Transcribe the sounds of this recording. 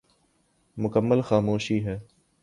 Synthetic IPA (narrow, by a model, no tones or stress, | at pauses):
mʊkəmːəlxaːmoːʃiːɦɛː